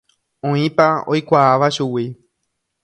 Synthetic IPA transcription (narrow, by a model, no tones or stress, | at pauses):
õĩpaojkʷaaʋaʃuwi